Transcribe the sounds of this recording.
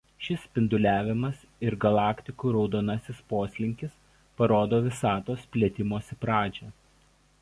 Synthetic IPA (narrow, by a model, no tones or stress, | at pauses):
ʃʲɪspʲɪnd̪ʊlʲæːʋʲɪmɐs | ɪɾɡɐlˠɑːkʲt̪ʲɪkuːˑɾɒʊd̪oːnɐsʲɪspoːsʲlʲɪŋʲkʲɪs | pɐɾoːd̪oːʋʲɪsɑːt̪oːsʲpʲlʲɛt̪ʲɪmoːsʲɪpɾɑːd͡ʒʲɛ